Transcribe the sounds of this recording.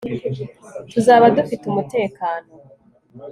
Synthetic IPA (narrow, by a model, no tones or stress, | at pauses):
tuzaːβadufitumute̞ːkaːno